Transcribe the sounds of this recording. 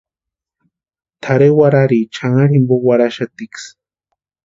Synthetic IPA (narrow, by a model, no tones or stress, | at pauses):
t̪ʰaɾewaɾaɾit͡ʃaŋaɾimbowaɾaʃat̪iks